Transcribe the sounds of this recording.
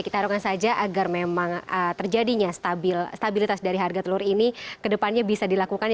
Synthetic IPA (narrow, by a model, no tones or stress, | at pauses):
kit̪aɦaɾukansad͡ʒaʔaɡarmemaŋət̪ərd͡ʒadiɲast̪abilst̪abilit̪asdaɾiɦarɡat̪əluɾinikədəpanɲabisadilakukan